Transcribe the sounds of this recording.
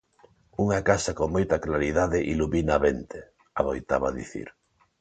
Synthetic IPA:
uŋakasɐkoŋmojt̪ɐklaɾiðaðɪʔiluβinaβent̪e | aβojt̪aβɐðḭθḭɾ

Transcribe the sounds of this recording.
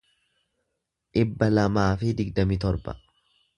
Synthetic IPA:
ᶑɪbːɐlɐmaːfɪd̪ɪɡd̪ɐmɪt̪ɔɾbɐ̰

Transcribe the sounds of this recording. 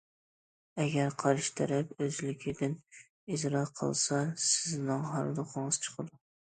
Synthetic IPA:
ɛɡʲæɾqʰɑɾʃt̪ʰæɾæpøzlɪkʲʰɪd̪ɪn | izɾɑqʰə̰lˠsɑsɪznɨŋɦɑɾlˠʊqʰəɴɨz̥t͡ʃʰə̥qʰəd̪u

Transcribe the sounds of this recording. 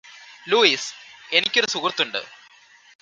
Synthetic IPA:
luːise̞nikʲːo̞ɾusukrt̪ːuɳɖɨ̰

